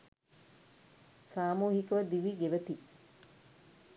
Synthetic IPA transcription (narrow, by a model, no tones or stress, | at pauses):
saːmuːɦikəʋəd̪iʋiɡeʋət̪i